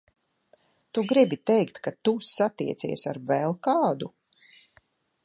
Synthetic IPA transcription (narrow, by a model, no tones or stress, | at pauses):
t̪uɡɾibit̪ɛjkt̪kat̪usat̪iɛt̪sḭɛsaɾvɛlˠkaːd̪u